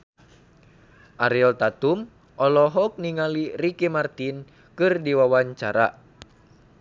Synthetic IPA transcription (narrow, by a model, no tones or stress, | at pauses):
ʔaɾilt̪at̪um | ʔɔlɔɦɔk̚niŋalirikimart̪in | kɨrdiwawaɲt͡ʃaɾa̰